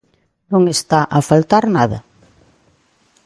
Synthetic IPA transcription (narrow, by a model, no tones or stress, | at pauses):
nõŋest̪aʔafalt̪aɾnaðɐ